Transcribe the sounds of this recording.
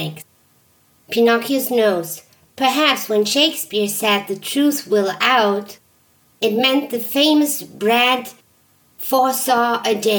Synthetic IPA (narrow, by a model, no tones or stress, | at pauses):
pʰɨnɑkʰjznoʊz̥ | pʰə˞ɦæpswɨ̃nʃeɪkspɪɹsɛd̪̚ðɨtʰɹ̥ʉθwɪlˠaʊɾ | ɨt̚mɛ̃nðɨfẽɪ̃mɨsbɹæd | fɔɹsɑɹɨde